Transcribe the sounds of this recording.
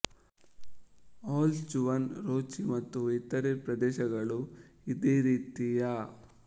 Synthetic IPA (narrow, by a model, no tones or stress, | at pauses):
aːlt͡ʃuʋɐnɾoːt͡ʃimɐt̪ːuit̪ːɐɾepɾɐd̪ɛːʃɐɡɐɭu | id̪eːɾiːt̪ija